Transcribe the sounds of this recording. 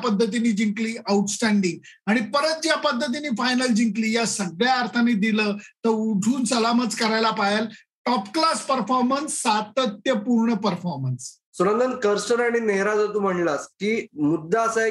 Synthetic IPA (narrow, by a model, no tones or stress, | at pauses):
pəd̪ʱːət̪̬iniːd͡ʑĩŋkliːəuʈsʈæɳɖiŋɡ̚ | aɽ̃ipəɾət̪̚d͡ʑjapəd̪ʱːət̪̬iniːfajnəld͡ʑiŋkliːjasəɡɭjaːɾt̪ʰanid̪iləːt̪əɾuʈʰuːnsəlamət͡skəɾajlapajel | ʈɔpklaspəɾfɔɾmənsːat̪ət̪jəpuɾɳəpəɾfɔɾməns | suɾənd̪ənkəɾsəɾaɽ̃ineɦɾad͡zat̪uːm̤əɳlaskiːmud̪ʱːaəsa